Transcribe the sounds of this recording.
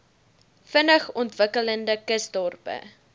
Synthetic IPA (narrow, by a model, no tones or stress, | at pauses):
fənəχɔntvəkələndəkəsdɔrpə̰